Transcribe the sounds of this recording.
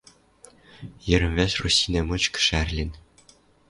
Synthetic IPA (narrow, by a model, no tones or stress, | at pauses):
jɘ̆ɾʲɘ̆mʲvʲeʃrusʲinʲemɤt͡ɕkɘ̥̆ʂærʲlʲɘ̆nʲ